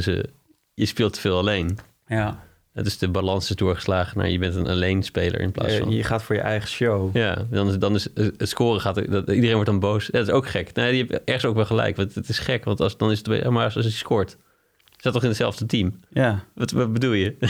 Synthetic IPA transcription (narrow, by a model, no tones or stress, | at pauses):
sə̰ | jəspɪːlˠtə̥vɪːlˠalejn | dɔtɪsdəbalɑnsɪsdʊːɹχə̥slaːχəna̰ːjəbɛntənʔa̰lejnspejlə̰ɹʔɪ̰npla̰ːsnəχaːtfʊːɹjə̰ʔɛ̰jχəʃowjaːdɑndɑnɪsətskʊːrəχaːtidərejnʋɔɹtdɑnbowsjaːdɔtɪsowkχɛknojajəɛbɛɹχənsoʊwkʋɛlˠχəlɛ̰jkʋɑntətɪsχɛkʋɑntsdɑnɪs̬ətmasˠsəəskʊːɹt | satːɔχɪnətsɛlˠvdətimʋɑtʋɑt̚bədulˠjə